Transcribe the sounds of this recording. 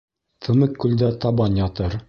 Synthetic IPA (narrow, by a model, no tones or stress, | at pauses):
t̪ʰɤ̆mɘkːʉld̪æt̪ɑbɑnjɑt̪ɤɾ